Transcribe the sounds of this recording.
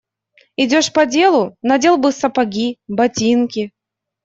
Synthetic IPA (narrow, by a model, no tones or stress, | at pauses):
ɪdʲoʂpɐdʲe̞lˠʊnɐdʲelˠbɨsɐpɐɡʲibɐtʲinkʲɪ